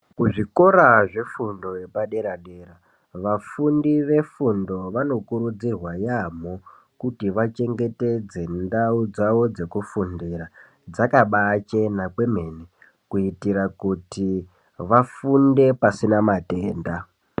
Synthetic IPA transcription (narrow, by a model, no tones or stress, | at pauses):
kuʐiko̞ɾaʐe̞fundo̞je̞paɗe̞ɾaɗe̞ɾa | ʋafundiʋe̞fundo̞ʋano̞kuɾud͡zirwajamo̞ | kutiʋat͡ʃe̞ŋɡe̞te̞d͡ze̞ndaud͡zaʋo̞d͡ze̞kufundiɾa | d͡zakaɓat͡ʃenakwe̞me̞ne | kuitiɾakuti | ʋafunde̞pasinamateːnda